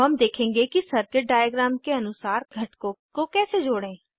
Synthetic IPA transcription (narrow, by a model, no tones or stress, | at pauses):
ɦɐmd̪eːkʰẽːŋɡekisɐɾkeʈ̚ɖaːjaɡɾaːmkeɐnʊsaːɾɡʱɐʈkõkokɛːsed͡ʒoːɽẽː